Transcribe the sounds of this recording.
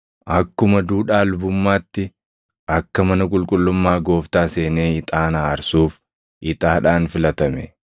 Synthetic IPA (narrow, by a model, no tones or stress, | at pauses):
ʔɐkːʊmɐd̪uːᶑaːlʊbʊmːaːt̪ːɪ | ʔɐkːɐmɐnɐkʼʊlkʼʊlːʊmːaːɡo̞ːft̪aːse̞ːneːɪt̪ʼaːnaːɐɾsuːf | ʔɪt̪ʼaːᶑaːnfɪlɐt̪ɐmɛ